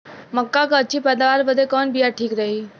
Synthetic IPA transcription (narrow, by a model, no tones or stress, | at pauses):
məkːakət͡ɕiːpəd̪aʋaɾʋəd̪ekɔnbijaʈʰiːkɾəɦi